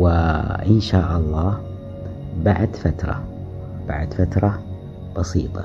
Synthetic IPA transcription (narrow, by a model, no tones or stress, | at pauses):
wɪʔɪnʃaːʔɑlˤːɑː | baʕd̪fat̪ɾˤɑ̰ | b̥a̰ʕd̪fat̪ɾˤɑ | b̥ɑsiːt̪ˤɑ̰